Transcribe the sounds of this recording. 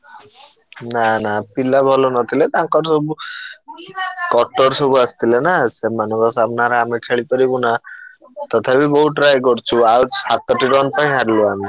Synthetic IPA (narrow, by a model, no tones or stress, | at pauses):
nanapilabʱɔlonɔt̪ʰilet̪ãŋkɔɾsɔbu | kɔʈɔɾsɔbuast̪ʰilenasemanɔŋkɔsabʱnaɾɔamikʰeɭipɔɾibuna | t̪ɔt̪ʰapibɔɦuʈɾajɡɔɾt͡ʃʰuawsat̪ɔʈiɾɔnpaĩɦaɾiluami